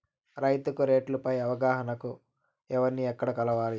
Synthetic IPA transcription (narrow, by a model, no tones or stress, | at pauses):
ɾɐjt̪ukuɾe̞ːʈlupɐjɐʋɐɡaːɦɐnɐku | ɛʋɐɾnːiɛkːɐɽɐkɐlɐʋaːli